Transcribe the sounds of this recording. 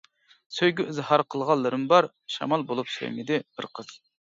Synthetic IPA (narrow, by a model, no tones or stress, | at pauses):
søjɡʲyʔzɨhɑɾqʰəlˠʁɑlˠːɨɾɨmbɑɾ | ʃɑ̰mɑlˠbolˠupsø̰jmɪd̪ɪb̥ɪɾqʰəz̥